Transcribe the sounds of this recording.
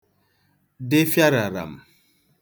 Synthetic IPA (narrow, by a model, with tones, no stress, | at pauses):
de˦fja˦ɾa˨ɾa̰˨m